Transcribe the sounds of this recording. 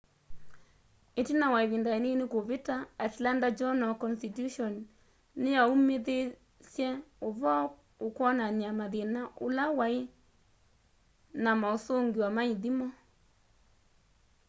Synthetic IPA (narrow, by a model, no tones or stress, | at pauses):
etinawaeβindaenenekoβetaatlandad͡ʒɔnɔkɔnstituʃɔnː | ejaumeðe | sjɛoβɔ | okwɔnanamaðenaʔolawae | namaosoŋɡiwamaiðimɔ